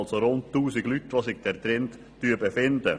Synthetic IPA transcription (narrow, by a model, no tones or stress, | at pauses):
lsoɾʊnttuːsɪɡlytʋoːsɪɡd̥ɛɾt̪ɾɛntːyəbəfɪnd̪ə